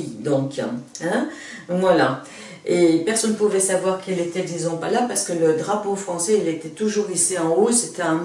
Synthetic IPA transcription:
d̪ɔ̃kɛ̃ | vwala | epɛʁsɔnːəpuvɛsavwaʁkɛlet̪ɛkizɔ̃palapaʁsə̥kələd̪ʁapofχɑ̃sɛilet̪ɛt̪uʒuʁisiɑ̃oset̪ɛɛ̃m

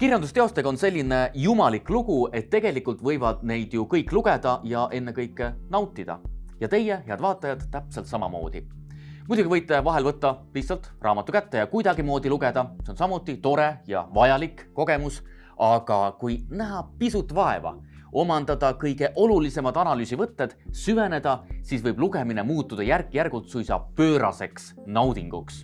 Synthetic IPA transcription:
kirjɑnd̪̥ust̪eo̞st̪e̞ɡ̥ɑo̞nse̞lʲːinejumɑlikːluɡ̥ue̞t̪ːe̞ɡ̥e̞likːult̪vɤjvɑd̪̥̚ne̞jd̪̥jukɤjkːluɡ̥e̞d̪̥ɑjɑʔe̞nːe̞kɤjkːˑenɑwt̪ːˑid̪̥ɑ̰jɑt̪e̞jeɦeɑd̪̥vɑːt̪ːˑɑjɑd̪̥t̪ːæpselt̪sɑmɑmo̞̰ːd̪̥ḭ | mud̪uɡ̥ivɤjt̪ˑːe̞vɑɦe̞lvɤt̪ːɑpist̪sɑlt̪rʔɑ̰ːmɑt̪ːˑukæt̪ːe̞jɑkujd̪ɑɡimoːd̪̥iluɡe̞d̪̥ɑseo̞nsɑmut̪ˑːit̪o̞ɾe̞jɑ̰vɑjɑlikːo̞ɡ̥e̞mus | ɑɡ̥ɑkujnæɦɑpisut̪ːˑvɑe̞̰vɑ̰ | o̞mɑnd̪̥ɑd̪̥ɑkɤjɡ̥e̞ʔo̞lulise̞mɑd̪̥ɑnɑlyːsivɤt̪ːe̞d̪̥syve̞ne̞d̪̥ɑsiːsvɤjbluɡe̞minemuːt̪ːud̪̥ɑjærkːˑijærɡ̥ult̪sujsɑ̰pø̞ːɾʔɑ̰se̞ksnɑwd̪̥iŋɡ̥uks

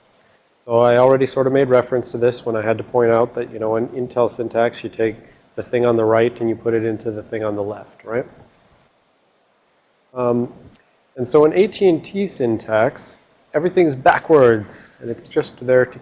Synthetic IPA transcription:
soʊaɪl̩ˠɹɛɾisɔɹɾʌvmeɪd̚ɹɛfɹɨ̃nstʰɨðɪswə̃ɾ̃aɪɨd̚tɨpʰɔ̃ɪ̃ɾ̃aʊt̪̚ðɨʔjɨnoʊə̃nɪ̃ntʰɛlˠsɪ̃ntʰæksjɨtʰeɪk̚ | ðɨθɪ̃ŋə̃nðəɹaɪɾɨ̃njɨpʰʊɾɨɾɪ̃ntʰʉðɨθɪ̃ŋə̃nðəlɛft̚ɹaɪt̚ | m | ɨ̃nsoʊə̃nʔeɪtʰiɨ̃ntʰisɪ̃ntʰæks | ɛvɹiθɪ̃ŋɨzbæ̰kʰwə˞dz̥ | ɨ̃nɨtsd̥ʒ̥ʌst̪̚ðə˞ɾ

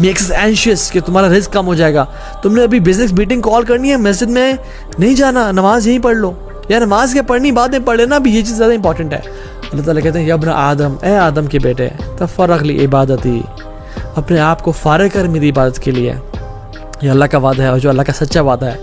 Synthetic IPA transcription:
meːksɐsɛ̃ːnʃəsket̪ʊmɦaːɾaɾɪzkːɐmɦod͡ʒaːeːɡaː | t̪ʊmnẽɐbʱibɪznɪs̬biːʈɪ̃ŋɡkɔːlkɐɾniɦɛmɛs̬d͡ʒɪd̪mẽ | nɐɦĩd͡ʒaːnanɐʋaːzjɐɦĩpɐɽloː | janɐmaːzkepɐɽniɪbaːt̪̚nɐ̃ĩpɐɽlenabʱijet͡ʃiːzːjaːd̪aɪmp̬ɔːɾʈə̃ɳʈɦɛ̰ː | ɐlːaːt̪aːlakɛɦt̪eɦɛ̃jɐbna̰ʔaːd̪əmɛːaːd̪əmkebeːʈḛt̪ɐfɐɾːəqlḭːʔɪbaːd̪ət̪ḭː | ɐpneaːpkofaːɾekɐɾmɪd̪iɪbaːd̪ət̪keliḛ | joɐlːakaʋaːd̪aɦɛɔːɾd͡ʒoːɐlːakasɐtːʃaʋaːd̪aɦɛː

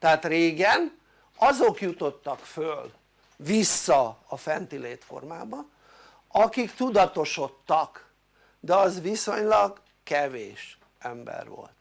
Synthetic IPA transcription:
t̪ɛaːt̪reːɡɛn | ɒzo̞kjut̪o̞t̪ːɒkføl | ʋisːɒɒfɛnt̪ileːt̪fo̰rmaːbɒ | ɒkikt̪ud̪ɒt̪o̞ʃo̞t̪ːɒk | d̪ɛɒzʋiso̞ɲlɒɡ | kɛveːʃ | ɛmbɛ̰rʋo̞̰lt̪

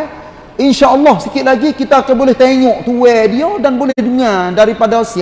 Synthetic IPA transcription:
ʔinʃaʔɔlːɔhsikɪt̪̚laɡikit̪aːkanbolɛht̪eŋɔʔt̪uwɛdiadanbolɛduŋãdaɾipadasia

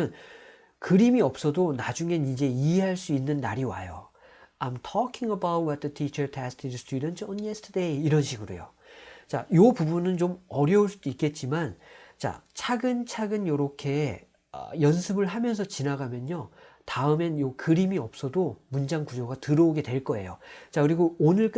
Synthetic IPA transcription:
ʌn | kɯɾimiʌp̚s͈ʌdonad͡ʑuŋe̞nid͡ʑe̞iɦe̞ɦaɭs͈uinːɯnːa̰ɾiwa̰jo̰ | ajmtʰɔkʰiŋəbawt̚wʌt̪̚ðətʰit͡ɕʰʌtʰɛstʰiɾstʰjudʌntʰʌnjestʰdeiɾʌnɕʰiɡɯɾo̰jo̰ | t͡ɕa̰jopubunɯnt͡ɕomʌɾjʌuɭs͈ud̥uik͈e̞t̚t͡ɕ͈imant͡ɕa̰t͡ɕʰaɡɯnt͡ɕʰaɡɯnjʌɾʌkʰe̞ | ʌ̰jʌnsʰɯbɯɭɦamjʌnsʰʌt͡ɕinaɡamjʌno | taɯme̞njokɯɾimiʌp̚s͈ʌdomund͡ʑaŋkud͡ʑoɡatɯɾʌoɡe̞dwe̞ɭk͈ʌe̞̰jo̰t͡ɕakɯɾiɡoonɯɭk͈

